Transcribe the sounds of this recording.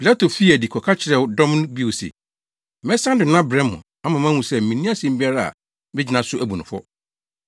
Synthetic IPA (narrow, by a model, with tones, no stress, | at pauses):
pʰi˨la˦tʰo˨fi˦æ˨di˨kʰɔ˨kʰa˦t͡ɕʰɪ˨ɾɛ˨wdɔ̃˦mñ˦bi˦˨sɪ̰˨ | mɛ˦sã˦n˦dɪ˨nã˦bɾɛ̃˦ʊ̰̃˨ | a˦mã˨mã˦hũ˨sɛ˦˨m̩˨mĩ˨nĩ˦a˦sɛ̃˨m̩˦bi˦a˦ɾa˦a̰˨ | mɪ˦d͡ʑɪ˨nã˨sʊ˦ʔæ˨bu˨nʊ̃˨fɔ̰˦